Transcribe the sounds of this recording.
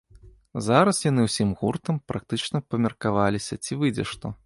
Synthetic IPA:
zaɾɐsjan̪ɨwsʲimɣurt̪ɐmpɾʔak̚t̪ɨt͡ʂnɐpɐmʲɐrkavalʲisʲɐt͡sʲivɨd͡zʲɛ̰ʂt̪ɔ

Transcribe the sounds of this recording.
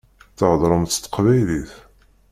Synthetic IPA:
θəʕðˤɾˤəmt̪ːt̪ːqvæjliθ

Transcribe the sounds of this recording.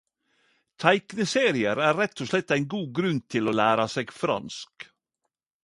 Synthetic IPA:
t̪ʰæɪknəseːɾɪəɾæːɾɛt̪ʰːɔʂlɛt̪ːæɪnɡuːɡɾʉnt̪ʰɪloːlæːɾɑseːɡfɾɑ̰nsk

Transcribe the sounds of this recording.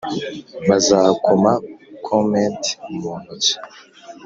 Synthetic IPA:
βazaːkʰomakʰomentmoːnut͡si̥

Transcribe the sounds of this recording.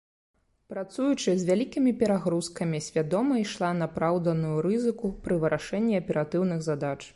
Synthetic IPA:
pɾat̪sujut͡ʂɨzʲvʲalʲikʲimʲipʲɛɾaɣɾuskɐmʲisʲvʲad̪ɔmɐiʂlˠanapɾawd̪ɐnujuɾɨzɨkupɾɨvɨɾʔaʂɛnʲːiɐpʲɛɾat̪ɨwnɨɣzad̪at͡ʂ

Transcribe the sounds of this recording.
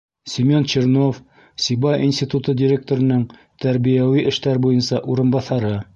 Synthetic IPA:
sʲimʲont͡ɕeɾnof | sʲibɑjʔinsʲtʲit̪ut̪ɤdʲiɾʲek̚t̪oɾɤ̆nɤɴ | t̪æɾβijæwiʔɘ̆ʃt̪æɾbujɤnsɑʔuɾɤ̆nbɑθɑɾɤ

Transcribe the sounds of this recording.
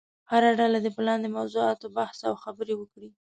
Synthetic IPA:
haɾaɖalad̪əpəlɑnd̪əmawzoɑt̪obahsawxabəɾewəkɽi

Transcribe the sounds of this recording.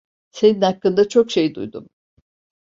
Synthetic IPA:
se̞ninhakːɯnd̪at͡ʃʰo̞kʃe̞jd̪ṵjd̪um

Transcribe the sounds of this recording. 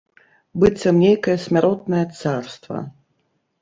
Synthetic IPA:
bɨsʲɐwnʲejkɐjɐsʲmʲaɾɔt̪̚nɐjɐt̪sarst̪vɐ̰

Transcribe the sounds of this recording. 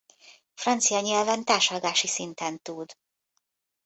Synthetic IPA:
frɒnt̪sijɒɲɛlvɛnt̪aːʃɒɡaːʃisint̪ɛnt̪ud̪

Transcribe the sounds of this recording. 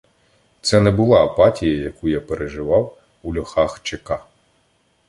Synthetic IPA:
t̪sɛnɛbʊlˠɑːpɑtʲijɐjɐkujapeɾʔeʒɪʋɑw | ulʲɔxɑxt͡ʃekɑ

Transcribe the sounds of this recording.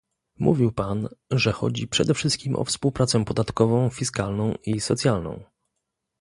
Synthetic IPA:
mʔuvʲiwpanʐɛxɔ̰d͡ʑipʂɛd̪ɛfʂɘst̪̚kʲimʔɔ̰fspuwpɾat̪sɛpɔd̪at̪kɔvɔ̃w̃fʲiskalnɔ̃w̃isɔt̪sʲjalnɔ̰̃w̃

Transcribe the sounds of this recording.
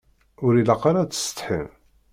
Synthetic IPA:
ʊɾilɑqːaɾat͡sːə̥st̪ħḭm

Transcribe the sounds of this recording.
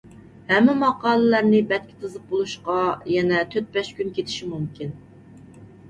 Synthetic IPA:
hɛmːɪmɑqɑːlˠɨlæɾnɪbɛt̪̚kʲʰɪ̥t̪ʰɨzəp̚bolˠuʃqɑjɛnɛt̪ʰøt̪̚bɛʃkʲynkʲet̪ʰɪ̥ʃimumkʲʰin

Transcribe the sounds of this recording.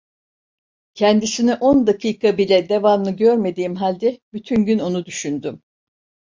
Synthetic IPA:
cʰɛnd̪isiniʔo̞nd̪akʰiːkʰabilʲɛd̪e̞vamnˠɯɟøɾme̞d̪iːmɦalʲd̪ɛbyt̪ʰynɟyno̞nud̪yʃynd̪ym

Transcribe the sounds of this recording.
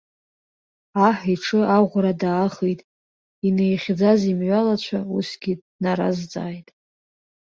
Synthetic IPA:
aħʷiʈ͡ʂʰʼɨaʁʷɾadaːχejtʼ | inejχʲd͡zazimʕʷalat͡ɕʷʰausɡʲid | naɾa̰zd͡zʼa̰ːjtʼ

